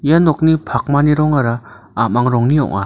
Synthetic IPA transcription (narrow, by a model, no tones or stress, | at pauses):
janɔk̚nipʰak̚maniɾɔŋaɾa | amaŋɾɔŋniɔ̰ŋa̰